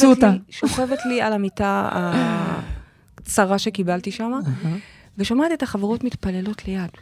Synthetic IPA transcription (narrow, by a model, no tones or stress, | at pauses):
sutaʃoχe̞vetlialamitaa̰ | t͡saʁaʃe̞kibalt̪iʃama | veʃamat̪iet̪aχaveʁo̞tmit̪pale̞lo̞tʰle̞jad̥